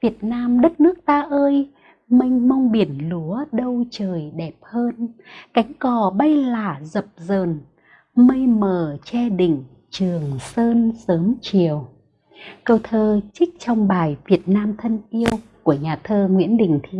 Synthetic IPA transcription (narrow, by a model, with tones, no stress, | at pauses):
vi˨˩ət̚naː˧mɗə˦˥t̚nɨ˦˥ək̚t̪aː˧ʔəː˧j | mi˧ŋ̟ma˧wŋ͡mɓi˨˧˩ənlu˨˦əɗə˧wt͡ɕəː˨˩jɗɛ˨˩p̚həː˧nka˨˦jŋ̟kɔ˨˩ɓa˧jlaː˧˩zə˨˩p̚zəː˨˩n | mə˧jməː˧˨˩t͡ɕɛ˧ɗḭ̈˧˨ŋ̟ | t͡ɕɨ˨˩əŋsəː˧nsəː˨˦mt͡ɕi˨˩əw | kə˧wt̪ʰəː˧t͡ɕï˦˥k̚t͡ɕɔ˧wŋ͡mɓaː˨˩jvi˨˩ət̚naː˧mt̪ʰə˧nʔi˧əwku˧˩əɲaː˨˩t̪ʰəː˧ŋwḭ˧˥ənɗï˨˩ŋ̟t̪ʰi˧